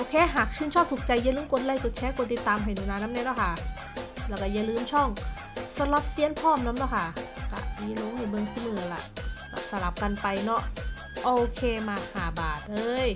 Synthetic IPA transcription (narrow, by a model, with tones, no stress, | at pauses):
ʔoː˧kʰeː˧˥ɦaː˨˩k̚t͡ɕʰɯː˧˩˨nt͡ɕʰɔː˥˩p̚t̪ʰu˨˩k̚t͡ɕa˧jːa˧˨lɯː˧˦mko˧n̚la˧˩jko˨˩t̚t͡ɕʰɛː˦˥ko˧nt̪i˨˧˩t̪ːaː˧mɦa˨˩jnuː˧˨naː˧nːa˦˥mni˧˥˨lɛ˧˥˩kʰa˥˩ | lɛː˧˩wka˧˩ja˧˩lɯː˧˩mt͡ɕʰɔ˥˩ŋ | sa˧˥la˧˥p̚si˧˥ə˨npʰɔː˥˨mla˧˦˥mlaː˧˥˩wkʰa˥˩ka̰˧˩miː˧˥lo˧˦ŋhiː˧˩bɤ˧nkʰi˧˩mɯ˧˩ə˧la̰˧˩ʔkɔ̰˧˩sa˧˩la˨˧˩p̚ka˧npa˧jnɔ˦˥ʔ | ʔoː˧kʰeː˧maː˧haː˨˩baː˨˩t̪̚lɤː˧j